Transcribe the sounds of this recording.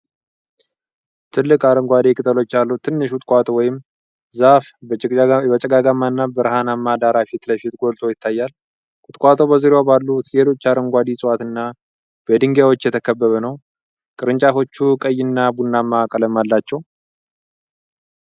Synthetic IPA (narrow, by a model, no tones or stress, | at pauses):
t̪ʰɨlːɨkʼaɾəŋɡʷad̪ekʼɨt̪ʼəlo̞t͡ʃːalːut̪ʰɨnːɨʃkut̪ʼkʷʼat̪ʰʼowɔjɪm | zaf | bət͡ʃʼɛɡaɡamːanːabəɾɦanamːad̪aɾafit̪ləfit̪ɡo̞lt̪ʰo̞jɪt̪ʰːajːal | kʼʊt̪ʼkʼat̪ʰʼo̞bəzɨɾewobalːut̪jelo̞t͡ʃːaɾəŋɡʷad̪isʼɨwat̪ɨnːa | b̥əd̪ɨŋɡawo̞t͡ʃːjɛt̪ʰəkʰəbːəβənəw | kʼɨɾɨnt͡ʃʼafo̞t͡ʃːukʼəjːɪnːabunːamːakʼələmːalːat͡ʃːɛw